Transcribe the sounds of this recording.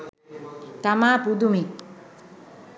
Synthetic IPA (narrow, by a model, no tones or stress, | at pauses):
t̪amaːpud̪umi